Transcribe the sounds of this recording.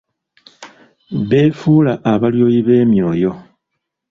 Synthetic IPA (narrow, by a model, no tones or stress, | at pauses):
βe̞ːfuːlaʔːβaljo̞ːjiβe̞ːmiɾojo̞